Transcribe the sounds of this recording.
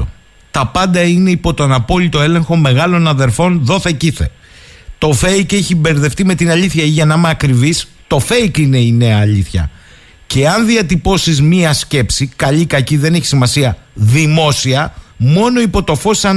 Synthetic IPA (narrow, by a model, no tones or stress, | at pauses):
o | t̪ɐpɐnd̪ɐine̞ipo̞t̪o̞nɐpo̞lit̪o̞e̞le̞ŋxo̞me̞ɣɐlo̞nɐðe̞ɾfo̞nðo̞θe̞ciθe̞̰ | t̪o̞fe̞ikeçibe̞ɾðe̞ft̪ime̞t̪inɐʎiθçɐiʝɐnɐmeːkɾivis | t̪o̞fe̞ikine̞ine̞ɐːʎiθçɐ̰ | ce̞ɐnðiɐt̪ipo̞sizmiɐsce̞psikɐʎikɐciðe̞neçi̥simɐsiɐðimo̞siɐmo̞no̞ipo̞t̪o̞fo̞sɐ